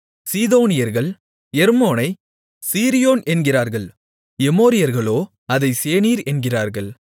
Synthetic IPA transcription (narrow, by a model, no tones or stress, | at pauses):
siːðoːnɪjɐɾɣɐɭ | ɛɾmoːnɐɪ | siːɾɪjoːnɛnɡɪraːɾɣɐɭ | ɛmoːɾɪjɐɾɣɐɭoː | ɐðɐɪseːniːɾɛnɡɪraːɾɣɐɭ